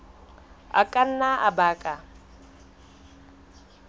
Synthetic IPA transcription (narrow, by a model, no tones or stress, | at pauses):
a̰kʼan̩naʔa̰baːkʼa